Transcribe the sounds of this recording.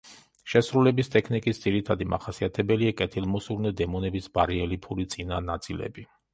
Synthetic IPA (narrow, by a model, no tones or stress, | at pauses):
ʃɛsɾulɛbist̪ʼɛkʰnikʼisd̪z̥iɾit̪ʰad̪ima̰χasiat̪ʰɛbɛliakʼɛt̪ʰilˠmɔsuɾnɛd̪ɛmɔnɛbisbaɾiɛlipʰuɾit̪sʼinanat̪sʼilɛ̰bi